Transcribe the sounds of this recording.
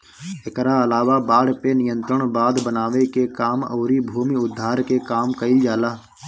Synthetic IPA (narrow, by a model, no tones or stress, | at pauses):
ɪkɾaəlaːʋabaːɽpenɪjə̃nt̪ɾəɽ̃baːd̪bənaːʋekekaːmɔ̰ːɾibʱuːmiʊd̪ʱːaːɾkekaːmkəɪld͡ʒaːlaː